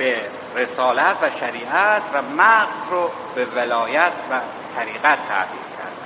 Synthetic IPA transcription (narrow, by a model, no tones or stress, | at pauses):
be | re̞sɒːlæt̪ʰvæʃæɾiːʔæt̪ʰvæmæɣzro | bevelɒːjæt̪ʰvæ | t̪ʰæɾiːɣæt̪ʰːæ̰ʔd̪ḭːlcʰæ̰ɾd̪æ